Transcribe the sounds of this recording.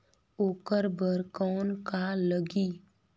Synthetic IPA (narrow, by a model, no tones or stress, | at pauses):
oːkəɾbəɾkɔːnkaləɡiː